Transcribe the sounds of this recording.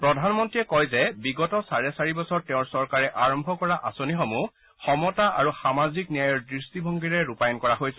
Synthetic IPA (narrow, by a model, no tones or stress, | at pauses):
pɹɔdʱanmɔntɹijɛkɔjzɛbiɡɔtɔsaɹɛsaɹibɔsɔɹtɛʊ̃ɹsɔɹkaɹɛʔaɹɔmbʱɔkɔɹaʔasonixomu | xɔmɔtaʔa̰ɹuxamaziknijajɔɹdɹistibʱɔŋɡiɹɛɹupajɔnkɔɹaɦojsɛ